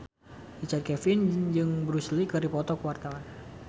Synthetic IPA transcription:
dit͡ʃat̪̚kɛfɪnd͡ʒɨŋbɾuslikɨɾipɔt̪ɔkəwart̪awan

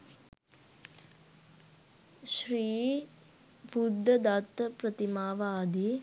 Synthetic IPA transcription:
ʃɾiː | bud̪ʱːɐd̪at̪ːpɾɐt̪imaːʋaːd̪i

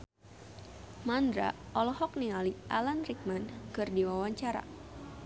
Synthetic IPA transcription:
mandɾa̰ʔɔlɔhɔk̚niŋaliʔalanrik̚mankɨrdiwawaɲt͡ʃaɾa̰

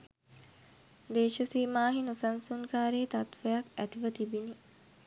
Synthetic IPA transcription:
d̪eːʃɐsiːmaːɦinusɐnsuŋkaːɾeːt̪ɐt̪ʋɐjɐkæt̪iʋɐt̪ibini

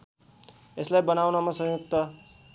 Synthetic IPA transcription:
eslajbʌnawnʌmʌsʌ̃juk̚t̪ʌ

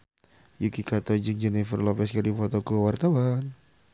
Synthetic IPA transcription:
jukikat̪ɔd͡ʒəŋd͡ʒɛnɛfərlɔpɛskərifot̪okəwart̪awan

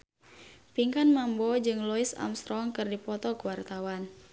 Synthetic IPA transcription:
piŋkanmambɔd͡ʒɨŋlɔisa̰mst̪ɾɔŋkɨrdipɔt̪ɔkəwart̪awan

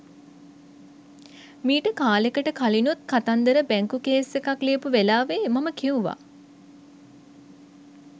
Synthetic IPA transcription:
miːʈəkaːlekəʈəkalinut̪̚kat̪and̪əɾəbæŋkukeːsʋekakliəpuʋelaːʋemaməkiuʋa̰

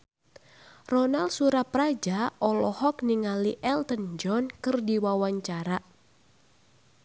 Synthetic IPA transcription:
rɔnalsuɾapɾad͡ʒaʔɔlɔhɔkniŋaliʔɛlt̪ənd͡ʒɔnkɨrdiwawaɲt͡ʃaɾa

